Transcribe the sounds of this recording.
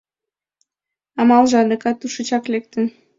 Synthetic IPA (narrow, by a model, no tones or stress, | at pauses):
ɑmɑlʒɑd̪əkɑt̪uʃət͡ɕɑklek̚t̪ən